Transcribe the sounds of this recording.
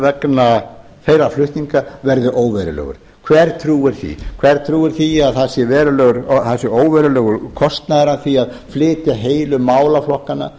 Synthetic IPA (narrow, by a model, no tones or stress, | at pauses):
vɛkna | fejɾaflʏht̪niŋkavɛɾðʏʔoːwvɛɾɪlœ̰ɣʏ̰ɾ̥ | kʰvɛɾt̪ʰɾuːɪɾ̥θḭkʰvɛɾ̥t̪ʰɾuːɪɾ̥θiaðθasjɛvɛːɾʏlœːɣʏɾθasɪoːwvɛɾʏlœːɣʏɾkʰɔst̪naðɾanθiað | flɪːt̪ɪɦeːjlʏmaːwlaflɔhkanːa̰